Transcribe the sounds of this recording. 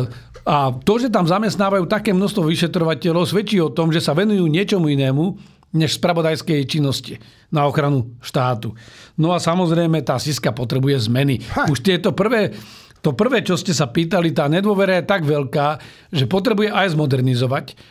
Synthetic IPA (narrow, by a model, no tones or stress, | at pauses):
at̪ɔʒɛt̪̬amzamɛst̪naːʋajuːt̪akɛːmnɔst̪ʋɔʋiʃɛt̪ɾɔʋacɛlɔʊsʋɛt͡ʃiːɔt̪ɔmʒɛsaʋɛnujuːɲɪɛt͡ʃɔmuinɛːmu | ɲɛʃspɾaʋɔd̪ajskɛjt͡ʃinːɔsci | naɔxɾanuʃt̪aːt̪unɔasamɔzɾɛjmɛt̪aːsiskapɔt̪ɾɛbujɛzmɛniuʃt̪ɪɛt̪ɔpr̩ʋɛː | t̪ɔpr̩ʋɛːt͡ʃɔscɛsapiːt̪alit̪aːɲɛd̪ʊɔʋɛɾajɛt̪aɡʋɛlkaː | ʒɛpɔt̪ɾɛbujɛʔajzmɔd̪ɛɾnizɔʋac